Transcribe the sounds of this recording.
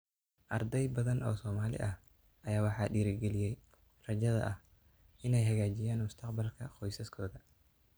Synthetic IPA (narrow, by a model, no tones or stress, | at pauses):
ʔɐrd̪ɛjbɐðɐnʔɔ̰ːsɔːmaːlɪ̰ʔɐh | ʔɐjaːwɑħɑːɖiːɾɪɡɛlɪjɛj | rɐd͡ʒɐðɐ̰ʔɐh | ʔɪnɛjɦɐɣaːd͡ʒɪjaːnmʊst̪ʰɐqbɐlkʰɐqɔjsɐskʰɔːðɐ